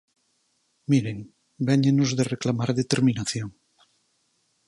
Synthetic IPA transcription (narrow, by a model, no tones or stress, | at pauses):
miɾeŋ | beɲenozðereklamaɾðet̪eɾminaθjoŋ